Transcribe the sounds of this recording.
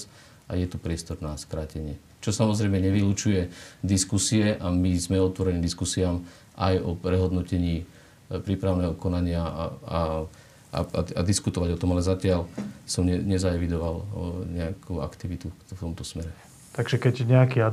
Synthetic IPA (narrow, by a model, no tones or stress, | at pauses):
ajɛt̪upɾɪɛst̪ɔɾnaskɾaːcɛɲɪɛ | t͡ʃɔsamɔzɾɛɪmɛɲɛʋilut͡ʃujɛd̪iskusiɛʔamizmɛɔt̪ʋɔɾɛniːmd̪iskusiaːm | ʔa̰jɔpɾɛɦɔd̪nɔcɛɲiː | pɾiːpɾaʊnɛːɦɔkɔnaɲɪaa | a̰a̰ad̪iskut̪ɔʋaɟɔt̪ɔmalɛzacɪalsɔmɲɛɲɛzaɛʋid̪ɔʋalɲɛakʰua̰kt̪iʋit̪uft̪ɔmt̪ɔsmɛɾɛ | t̪aɡʒɛkɛɟɲɛakia